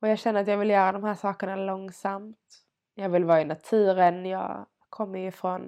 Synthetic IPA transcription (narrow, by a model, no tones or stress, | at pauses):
ɔjɑːɡɕɛnːəɾat̪jɑːɡvɪljœːɾad̪ɔmhæːʂɑːkəɳalɔŋːsamt̪ | jɑːɡvɪlvɑːɪnat̪ʰʉ̟ːɾənjɑ̰ː | kʰɔmːəɾjʏfɾɔn